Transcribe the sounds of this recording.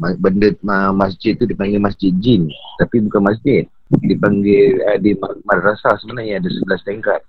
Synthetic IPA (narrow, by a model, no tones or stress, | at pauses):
mabəndət̪̚əmasd͡ʒɪt̪̚ːudipaŋɡɪlmasd͡ʒɪt̪̚d͡ʒɪnt̪apibukanmas̬d͡ʒɪt̪̚ | dipaŋɡɪladimamadɾasasəmənahɲaːdasəbəlast̪ɛŋkat̪̚